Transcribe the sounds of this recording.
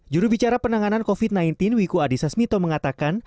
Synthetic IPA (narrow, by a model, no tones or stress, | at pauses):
d͡ʒuɾubit͡ʃaɾapərnaŋanankofit̪̚naint̪ɪnwikuadisasmit̪oməŋat̪akan